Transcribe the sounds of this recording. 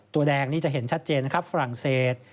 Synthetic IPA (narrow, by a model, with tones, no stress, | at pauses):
t̪u˧ɐdɛː˧ŋniː˥˩t͡ɕa˨˩ʔɦe˩˦nt͡ɕʰa˦˥t̪̚t͡ɕeː˧nːa˦˥kʰa˦˥p̚fa˧ɾa˨˩ŋseː˨˩t̪̚